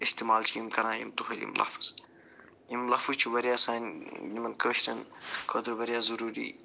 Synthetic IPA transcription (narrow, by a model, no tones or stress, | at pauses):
ist̪imaːlt͡ʃʰːimkɐɾãːjḭmt̪uxɐlḭmlʔa̰ːfɐ̥s | jimlaːfut͡ʃʰiʋɐɾjaːsaːnjimɐnkəːʃɾɐnkʰoːd̪ɐɾʋɐɾjaːzɐɾuːɾḭ